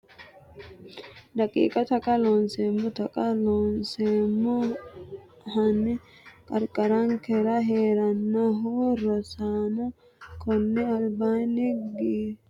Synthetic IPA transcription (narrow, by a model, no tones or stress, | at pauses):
dɐkʼḭːkʼɐt̪ɐkʼɐloːnseːmːʊt̪ɐkʼɐloːnseːmːʊ | hɐnːɪ | kʼɐɾkʼɐɾɐŋkɛɾɐɦeːɾɐnːɐɦuɾɔsaːnʊ | kɔnːɪɐlbaːnɪɡi